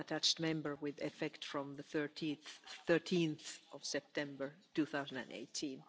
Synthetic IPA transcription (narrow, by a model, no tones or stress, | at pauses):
ətʰæt͡ʃtmɛ̃mbə˞wɪðɛfɛktfɹɔ̃mðəθə˞tʰiθθɜ˞tʰĩnθʔɔv̥sɛp̚tʰɛ̃mbə˞tuθaʊzə̃ndæ̰̃ndḛɪtʰĩn